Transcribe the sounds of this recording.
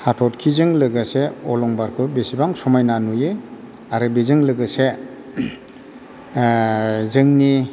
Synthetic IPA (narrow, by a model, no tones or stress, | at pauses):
hatʰɔtkʰizɯŋlɯɡaseɔlɔŋbaɾkʰɯbesibaŋsɔmajnanujɯ | aɾɯbizɯŋlɯɡɯse | zɯŋni